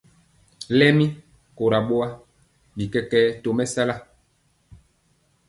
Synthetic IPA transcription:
lɛ˦mi˦ | ko˨ɾa˨ɓo˦a˦ | bi˨kɛ˦kɛ˦to˨mɛ˦sa˦la˦

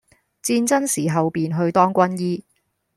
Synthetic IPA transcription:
t͡siː˧nt͡sɐ˥nsiː˨˩ɦɐ˨wpiː˨nɦɵ˧ɥt̪ɔː˥ŋkʷɐ˥njiː˥

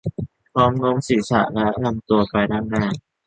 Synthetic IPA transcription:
pʰɔː˦˥mno˦˥ŋsiː˩˦sa̰˧˩ʔlɛ˦˥na˧˩mt̪u˧ɐpa˧jda˥˩ŋnaː˧˩ŋ

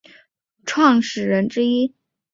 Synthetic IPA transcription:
ʈ͡ʂʰwɑ˥˩ŋʂɻ̩˨˩ɻə˧˥nʈ͡ʂɻ̩˥i˥

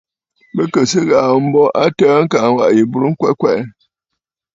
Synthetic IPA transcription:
bə˦kə˨sɨ˦ɣa˨m̩˦bɔ˦ʔa˦təː˦ŋ̩˦ka˨ŋ˨wa̰˨ʔji˨bu˨ɾŋ̩˦kwɛ˦kwɛ˦˨ʔ

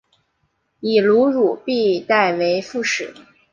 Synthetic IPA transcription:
i˨˩lu˧˥ɻu˨˩pi˥˧t̪a˥˩ɪwe˧˥ɪfu˥˩ʂɻ̩˨˩˦

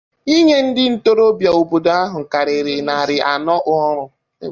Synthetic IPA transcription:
i˦ɲe˦n̩˦dɪ˦n̩˦to˦ɾo˦bja˨o˨bo˨da˦ɦʊ˨ka˨ɾɪ˨ɾɪ˨na˨ɾɪ˨ʔa̰˨nɔ˦ʔʊ˦ɔ˦ɾʊ˨˦

